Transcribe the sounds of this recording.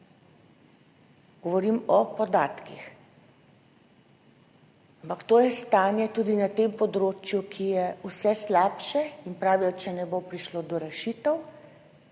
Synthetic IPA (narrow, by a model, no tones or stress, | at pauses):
ɡ̥ɔʋɔɾimɔpɔd̪aːt̪kḭx | ampakt̪oːjɛst̪aːnjɛt̪uːd̪inat̪empɔd̪ɾoːt͡ʃjukʰijɛusɛslaːpʃɛinpɾaːʋijɔt͡ʃɛnɛbopɾiʃloːd̪ɔɾɛʃit̪ɛw